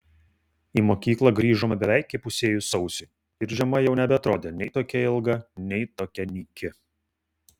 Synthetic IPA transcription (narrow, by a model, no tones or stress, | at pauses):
iːmoːkʲiːklˠɐɡɾʲiːʒoːmʲɐbʲɛʋʲæˑɪkʲkʲɪpʊsʲeːjʊsɒʊsʲʊ | ɪɾʒʲɛmɐjɛʊnʲɛbʲɛɐt̪ɾoːd̪ʲeːnʲɛɪt̪oːkʲɛɪlˠɡɐnʲɛɪt̪oːkʲɛnʲiːkʲɪ